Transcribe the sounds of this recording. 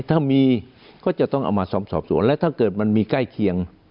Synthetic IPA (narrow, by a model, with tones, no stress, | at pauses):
t̪ʰaː˥˩miː˧ | kɔː˥˩t͡ɕa˨˩t̪ɔ˥˩ŋʔa̰˧wmaː˧sɔː˩˦m̚sɔː˨˩p̚sṵ˨˩˦ənlɛ˦˥t̪ʰaː˥˩kɤː˨˩t̪̚ma˧nmiː˧ka˥˩jkʰi˧əŋ